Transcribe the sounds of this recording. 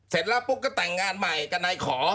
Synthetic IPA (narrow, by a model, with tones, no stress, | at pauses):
se˨˦t̪̚laː˧˥˩pu˧˥˩kːaː˥˩t̪ɛ˨˩ŋːaː˧nma˨˩jka˧na˧jkʰɔː˩˦